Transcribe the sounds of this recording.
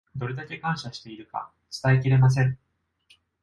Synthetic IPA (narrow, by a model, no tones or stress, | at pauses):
d̪o̞ɾe̞d̪ake̞kãɰ̃ɕaɕi̥t̪e̞iɾɯ̟ka̰ | t͡sɨ̥t̪aek̬ʲiɾe̞mas̬ẽ̞ŋ